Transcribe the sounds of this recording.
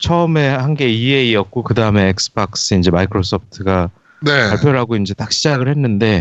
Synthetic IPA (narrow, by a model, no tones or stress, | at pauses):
t͡ɕʰʌɯme̞hanɡe̞ieiʌt̚k͈okɯdaɯme̞ːk̚sɯ̥b̥ak̚s͈ɯind͡ʑe̞maikʰɾos͈ʰop̚ʰtʰɯɡa | nepaɭpʰjoɾɦaɡoind͡ʑe̞tak̚ɕ͈ʰid͡ʑaɡɯɭhe̞nːɯnde̞